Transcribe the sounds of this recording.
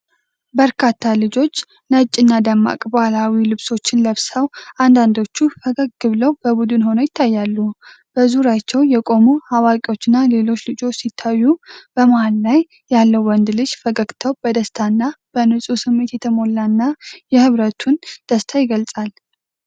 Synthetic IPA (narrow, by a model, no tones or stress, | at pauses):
bəɾkʰat̪ʰːalɨd͡ʒo̞t͡ʃː | nət͡ʃʼːɪnːad̪amːa̰kʼbalawilɨβso̞t͡ʃːɪnləβsawʔand̪and̪o̞t͡ʃːufəɡəɡ̚ɡɨβləwbəbud̪ɨnho̞nəjɪt̪ʰːajːalːu | b̥əzuɾat͡ʃːɛwjɛkʼo̞muhawakʼio̞t͡ʃːɨnːale̞lo̞t͡ʃːlɨd͡ʒo̞t͡ʃːsit̪ʰːajːub̥əmahallaj | jalːəwwɔnd̪lɨd͡ʒfəɡəɡt̪ʰəwbəd̪əst̪ʰanːab̥ənɨsʼusɨmːe̞t̪jɛt̪ʰəmo̞lːanːajɛhɨβɾət̪ʰund̪̥əst̪ʰajɪɡəlsʼal